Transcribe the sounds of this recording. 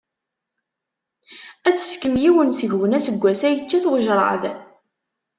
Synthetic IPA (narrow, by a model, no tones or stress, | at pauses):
æt͡sːə̥fkəmjiwənsəʝwənæsəɡʷːæsæjət͡ʃːæθwəʒɾˤɑ̰ð